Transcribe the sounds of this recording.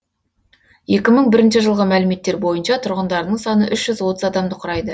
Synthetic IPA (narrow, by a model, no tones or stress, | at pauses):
je̞kʲɪməɴbɪɾɪnʃɪʒəlˠʁəmælɪme̞t̪ːe̞ɾbo̞jənʃɑt̪ʰʊɾʁənd̪ɑɾənəɴsɑnəʔʏʃʒ̥ʏzwo̞t̪əzɑd̪ɑmd̪əqʰʊɾɑjd̪ə